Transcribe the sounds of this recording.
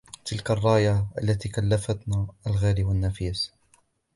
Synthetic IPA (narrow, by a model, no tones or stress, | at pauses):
t̪ɪlkarˤːɑːjaʔalːat̪iːkalːafat̪naːalɣaːliwanːafiːs